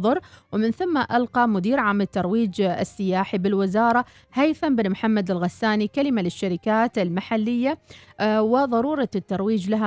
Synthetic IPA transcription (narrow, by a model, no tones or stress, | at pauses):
ðˤɑɾˤwɪmɪnθamːaʔalqɑmʊd̪iːɾʕaːmɪt̪ːɑɾˤwiːd͡ʒɪ̰sːɪjaːħibɪlwɪzɑːɾˤɑ | hajfanbɪnmħamːad̪ɪlɣasːaːnikalɪmalɪʃːaɾɪkaːt̪ɪlmaħalːɪjːa | wɪðˤɑɾuːɾˤɑt̪ːɑɾˤwiːd͡ʒlaɦa